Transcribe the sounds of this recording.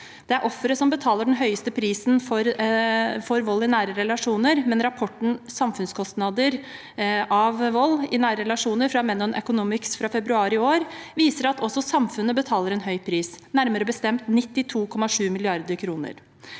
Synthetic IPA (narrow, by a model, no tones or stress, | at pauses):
d̪̥ɛæɾʔɔfːəɾəsɔmbət̪ʰɑːləɖɛnɦœʏəst̪əpʰɾiːsnfɔɾ | fɔɾʋɔlːɪnæːɾəɾɛlɑʂuːnəɾmɛnɾɑpʰɔʈːɳ̩sɑmfʉnskʰɔst̪nɑd̪əɾ | ʔɑʋʋɔlːɪnæːɾəɾɛlɑʂuːnəɾfɾɑmɛnɔnʔœkʊnuːmɪksfɾɑfɛbɾʉɑːɾɪoːɾʋiːsəɾɑt̪ʰɔsːɔsɑmfʉnəbət̪ʰɑːləɾɛnɦœʏpʰɾiːsnæɾməɾəbəst̪ɛmt̪nɪt̪ːɪt̪ʰuːkʰɔmːɑʂʉːmɪlɪɑɾd̪əɾkʰɾuːnə̰ɾ